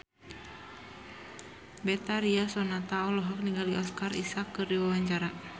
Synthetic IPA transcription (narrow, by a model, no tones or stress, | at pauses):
bɛt̪aɾiasɔnat̪aɔlɔɦɔk̚niŋɡaldiɔskarisakːɨrdiwawaɲt͡ʃaɾa